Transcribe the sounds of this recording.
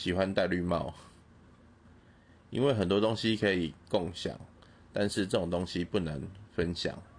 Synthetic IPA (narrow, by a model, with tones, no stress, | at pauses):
ɕi˨˩xwa˦nt̪a˥˧ɪly˥˨mɑ̰˥˨ʊ | ḭ˥nwe˥˩ɪxə˨˩nt̪̬wɔ˥t̪o˥˦ŋɕi˦kʰə˧˥i˨kɔ˥˨ŋɕja̰˨˩˦ŋ | t̪a˥˧nʂɻ̩˥˧ʈ͡ʂɤ˥˩ʈ͡ʂo˨˩ŋt̪o˥˦ŋɕi˦pu˥˩nə˧˦ŋfə˦nɕja̰˨˩˦ŋ